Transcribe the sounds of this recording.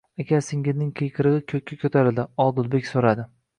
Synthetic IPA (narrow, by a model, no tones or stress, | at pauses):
aɡʲaɾsɪŋʲɪznɪŋqʰejkʰɨɾɨʁɨkʲʰɵk̚ʲʰːakʰʲɵt̪ʰaɾɪld̪ɪɒlˠd̪ʊlˠbe̞kʲsoɾad̪ɪ